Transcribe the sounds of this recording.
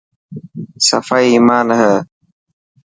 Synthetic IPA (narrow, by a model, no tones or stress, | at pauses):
sɐ̰fajiːmaːnɦə